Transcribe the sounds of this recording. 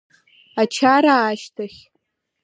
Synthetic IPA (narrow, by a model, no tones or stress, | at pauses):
at͡ʃʰaɾaːʃtʰaχʲ